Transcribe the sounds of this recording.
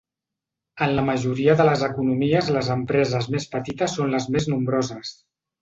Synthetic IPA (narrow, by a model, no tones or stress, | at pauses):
ənləməʒuɾiəðələzəkunumiəzləzəmpɾɛzəzmespət̪it̪əsːonləzmeznumbɾozəs